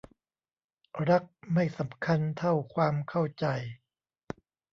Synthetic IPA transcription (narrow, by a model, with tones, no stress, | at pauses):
ɾa˦˥k̚ma˥˩jsa˩˦mkʰa˧nt̪ʰa˥˩wkʰwaː˧mkʰa˥˩wt͡ɕa˧j